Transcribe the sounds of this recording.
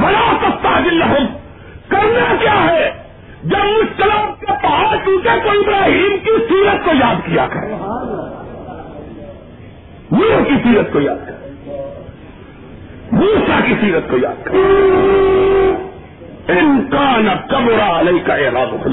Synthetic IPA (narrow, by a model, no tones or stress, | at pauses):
bɐɽaːsɐst̪aːd͡ʒ̪ɪlːɐɦʊm | kɐɾnakjaːɦɛ | d͡ʒɐbmʊd͡ʒk̪ɐləb̚kepaːsʊ̃t̪ekoiɪbɾaːɦiːmkisiːɾət̪̚kojaːd̪kija̰kɐɾeː | muːkisiːɾət̪̚kojaːd̪̚kɐɾe | muːsakisiːɾət̪̚koja̰ːd̪̚kɐɾe | ɪnkaːnɐk̪ɐbɾaɐlɐjkaʔeɾaːd̪ʊxʊl